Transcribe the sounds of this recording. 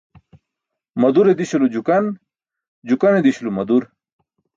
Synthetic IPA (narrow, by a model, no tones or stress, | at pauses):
mɐd̪uɾed̪iɕulud͡ʑukɐn | d͡ʑukɐned̪iɕulumɐd̪uɾ